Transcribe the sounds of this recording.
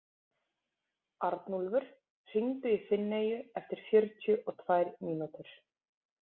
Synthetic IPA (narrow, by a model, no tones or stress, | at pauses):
aɾt̪nulvʏɾ̥ | r̥iŋt̪ʏifɪnːeːjʏɛft̪ɪɾ̥fjœɾt̪ʰjʏʔɔt̪ʰvajɾniːnut̪ʏɾ̥